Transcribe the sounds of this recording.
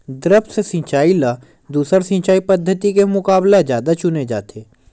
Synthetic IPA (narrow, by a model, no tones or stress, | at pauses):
d̪ɾəpsesĩt͡ʃaːila | d̪uːsəɾsĩt͡ʃaːipəd̪ʱːət̪ikemʊkaːbled͡ʒjaːd̪at͡ʃʊned͡ʒa̰ːt̪ʰeː